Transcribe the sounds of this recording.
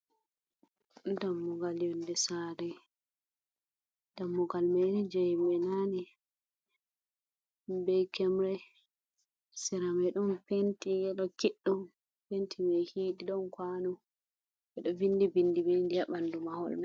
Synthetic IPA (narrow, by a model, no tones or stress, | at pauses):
damːuɡaljɔndɛsaɾɛ | d̥amːɔɡalmɛnɛd͡ʒajmɛnanɛ | bɛjkɛmɾɛ | sɛɾamɛɗɔmpentiɡɛɗɔkiɗːum | pentʰimɛjhiːɗiɗɔnkwanu | ʔɛɗɔvindibinːdibendijaɓandumahɔ̰lmɛ